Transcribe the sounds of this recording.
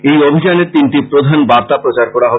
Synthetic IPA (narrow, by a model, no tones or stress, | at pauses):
ejobʱid͡ʑaneɾt̪inʈipɾod̪ʱanbaɾt̪apɾot͡ɕaɾkɔɾaɦɔbe